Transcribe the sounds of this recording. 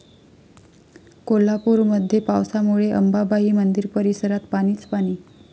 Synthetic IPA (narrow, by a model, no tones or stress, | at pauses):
kolapuːɾməd̪ʱːjepawsamuɭeʔəmbabʱaɦiːmənd̪iɾpəɾisəɾat̪paɽ̃iːt͡spaɽ̃iː